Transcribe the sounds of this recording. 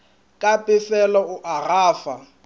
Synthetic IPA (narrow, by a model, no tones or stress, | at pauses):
kʼapʼɪsɛlɔʊʔaraːfa